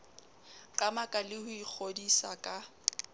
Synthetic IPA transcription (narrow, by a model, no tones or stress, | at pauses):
kʼamakʼalɪhʊik͡xʰodisa̰kʼa